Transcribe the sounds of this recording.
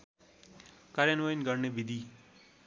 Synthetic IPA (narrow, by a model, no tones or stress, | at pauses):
kaɾjanwʌjnɡʌrnebid̪ʱi